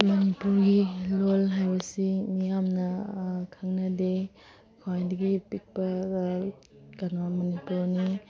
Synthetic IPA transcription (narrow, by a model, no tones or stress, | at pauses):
mɐnipuɾɡilolɦajbɐsimijamnɐkʰaŋnɐde | kʰowajdiɡipik̚pɐ | kanamɐnipuɾni